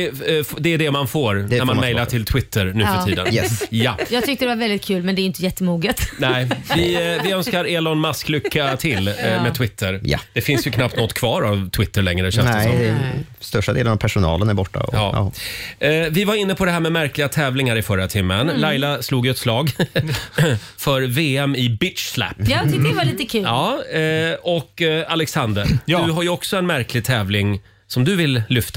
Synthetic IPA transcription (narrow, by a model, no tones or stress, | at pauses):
ɪfd̪ɛːɖɛmanfoːɾæɾmanmɛjlaʈʰɪlt̪ʰwɪt̪ʰːəɾnʉ̟ːfœʈʰiːd̪ə̰njajɑːɡt̪ʏk̚t̪əd̪ɛvaɾvɛld̪ɪt̪̚kʰʉ̟ːlmɛnd̪ɛɾjʏnt̪əjɛt̪ʰːəmuːɡət̪nɛɪvɪvɪœnskaɾɛlɔnmasklʏkːat̪ʰɪlmɛt̪ʰwɪt̪ʰːəɾj̰d̪̥ɛfɪnsjɵkʰnapt̪nɔt̪ːkʰvɑːɾavt̪ʰwɪt̪ːəɭɛŋːɾəɕɛnsdɛsɔɛ | st̪œʂʈad̪ḛːlənavpʰæʂʊnɑ̰ːlənæɾbɔʈːa̰ɔ̰ɑ̰ːɑ̰ | vɪvaɾɪnːəpʰɔd̪ɛɦæːɾmɛmæɾklɪɡat̪ʰɛːvlɪŋaɾɪfœɾat̪ʰɪmːənlajlasluːɡjɛt̪slɑːɡ | fœɾveːɛmɪbɪt̪slæ̰pːt̪ɪk̪aliːt̪əkʰʉːɑː | ɔkːalɛksand̪əɾd̪ɵɦaɾjɵɔksɔɛnmæɾklɪɡ̚t̪ʰɛːvlɪŋ | sɔmd̪ɵvɪlːʏft̪